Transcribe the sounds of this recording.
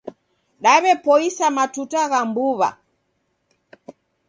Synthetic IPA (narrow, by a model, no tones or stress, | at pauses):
ɗaβɛpɔisamatutaɣambuβa̰